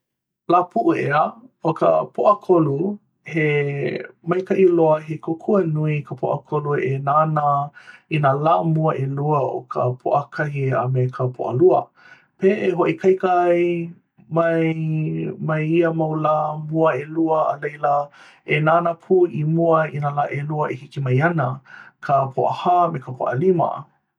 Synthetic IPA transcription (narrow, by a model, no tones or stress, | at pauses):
laːpʰuʔuʔeəokə̰pʰoʔɐkʰolu | he | mɐjkɐʔiloɐɦekʰokʰuɐnuikʰəpʰo̰ʔɐkʰoluenanəinalamuɐʔeluəʔo̰kʰə̰pʰo̰ʔəkʰɐɦia̰mekʰəpʰo̰ʔə̰luə | peːʔeɦoʔikʰajkəaj | mɐj | mɐjiəmawlamuəeluəːlejlə | enaːnəpʰuimuəinalaʔeluəʔehikimɐjanəkʰəpʰoʔəhamekəpʰo̰ʔəlimɐ̰